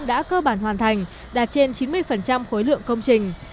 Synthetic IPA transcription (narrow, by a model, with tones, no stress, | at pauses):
ɗa̰ː˧˥kəː˧ɓaː˧˩nhwaː˨˩nt̪ʰa˨˩jŋ̟ | ɗaː˨˩t̚t͡ɕe˧nt͡ɕi˨˦nmɨ˧əjfə˨˩nt͡ɕa˧mxo˨˦jlɨ̰˧˨əŋkə˧wŋ͡mt͡ɕï˨˩ŋ̟